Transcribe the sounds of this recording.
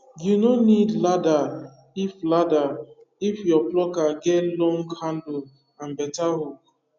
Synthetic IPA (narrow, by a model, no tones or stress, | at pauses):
junonidlada | iflada | ifjɔplɔkaɡɛtlɔ̃ŋɡhãndl | ãnbɛtaɦok